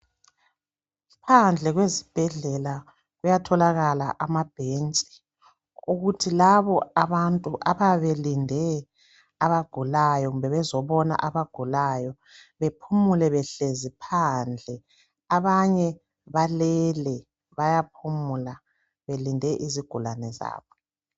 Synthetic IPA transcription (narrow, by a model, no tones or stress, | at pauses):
pʰand͡ɮʱɛɣwezib̥ʱɛɮɛla | ɣujatʰɔlaɣalaʔamab̥ʱent͡sʼi̥ | uɣutʰilaβɔaβantʼuʔaβaβelindʱɛ | aβaɡ̥ʱulajɔɣumbʱɛβɛzɔβɔna̰ʔaβaɡ̥ʱulajɔ | βepʰumulɛβɛɬezipʰand͡ɮʱɛ | aβaɲɛ | βalɛlɛ | βajapʰumula | βelindʱɛʔiziɡ̥ʱulanɛza̰ːβɔ